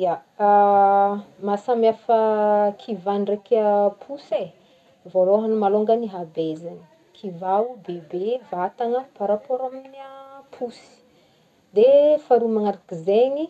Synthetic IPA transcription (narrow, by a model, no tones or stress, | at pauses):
a | masamjafəkʰivanrekəpʰuse | voloɦanumaloŋɡəniɦabezani̥ | kʰivaubebevat̪aŋəpaɾapoɾaminiapʰusi̥ | d̪efaɾumaŋaɾakizeɲi